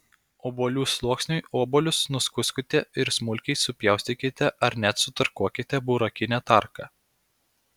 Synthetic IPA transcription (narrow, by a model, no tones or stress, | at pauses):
oːbolʲuːslˠuɔksʲnʲʊɪʔoːboːlʲʊsnʊskʊskʊt̪ʲeɪɾsmʊlʲkʲɛɪsʊpʲjɛˑʊsʲt̪ʲikʲɪt̪ʲɛʔɐɾnʲæt̪sʊt̪ɐɾkuɔkʲɪt̪ʲɛbʊɾɐkʲɪnʲæt̪ɑˑɾkɑ̰